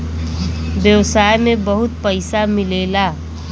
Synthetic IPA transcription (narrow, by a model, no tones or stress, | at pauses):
bjʌwsajmebəɦut̪̚pəjsamilela